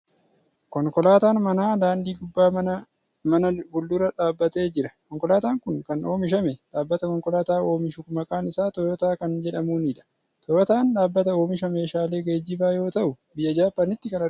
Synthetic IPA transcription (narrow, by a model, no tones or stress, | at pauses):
kɔŋkɔlaːt̪aːnmɐnaːd̪aːnd̪iːɡʊbːaː | mɐnɐbʊld̪ʊɾɐᶑaːbːɐt̪e̞ːd͡ʒɪɾɐkɔŋkɔlaːt̪aːŋkʊnkɐno̞ːmɪʃ̬ɐmeᶑaːbːɐt̪ɐkɔŋkʼɔlaːt̪aːo̞ːmɪʃʊkʊmɐkʼaːnɪsaːt̪ɔjɔt̪aːkɐnd͡ʒɛᶑɐmuːnɪᶑɐ̥ | t̪ʰɔjɔt̪aːnᶑaːbːɐt̪ɐo̞ːmɪʃ̬ɐme̞ːʃaːle̞ːɡeːd͡ʒːɪbaːjo̞ːt̪ɐʔʊ | bɪjːɐd͡ʒaːpːɐnɪt̪ːɪkɐnɐ